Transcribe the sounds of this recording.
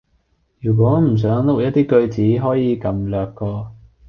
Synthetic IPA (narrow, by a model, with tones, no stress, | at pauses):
jyː˨˩k̬wɔː˨˥m̩˨˩s̬œː˨˥ŋlʊ˥k̚jɐ˥t̪̚t̪iː˥kɵ˧ɥt͡siː˨˥ɦɔː˨˥jiː˨˧kɐ˨mlœː˨kːɔː˧